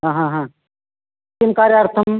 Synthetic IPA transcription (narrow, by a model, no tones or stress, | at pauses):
ɦãːɦãɦã | kimkaːɾjaːɾt̪ʰəm